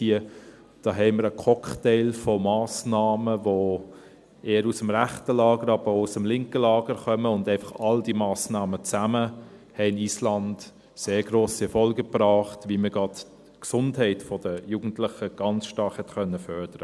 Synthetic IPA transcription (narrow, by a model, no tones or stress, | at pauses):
hiə | d̥ɑːɦɛɪməɾəkʰɔkχtɛɪlfɔmɑːsnɑːməvo | eːəɾusəmʁæχtəlɑːɡəɾɑb̥əousəmlɪŋkəlɑːɡəɾχœməʊndæɪfɑχɑld̥imɑːsnɑːmət͡sæməhɛɪniːslɑnd | seːɾɡɾoːsiɛfɔlɡəpɾɑːχtʋiməɡ̥ɑd | ksʊndhɛɪtfɔd̥əjuːɡ̥n̩tlɪχəɡ̥ɑnt͡sʃtɑthɛtkœnːəfœɾd̥əɾə